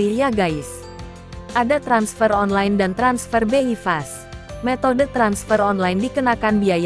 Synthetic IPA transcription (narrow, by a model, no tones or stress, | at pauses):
iliaɡaɪs | ʔadat̪ɾansfərɔnlajndant̪ɾansfərbeifas | met̪odət̪ɾansfərɔnlajndikənakanbiaja